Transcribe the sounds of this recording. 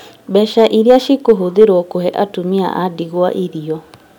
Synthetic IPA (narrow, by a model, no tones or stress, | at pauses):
bɛʃaʔiɾiaʃikoɦoðeɾoɔkohɛʔatumia̰ʔadiɣoa̰ʔiɾiɔ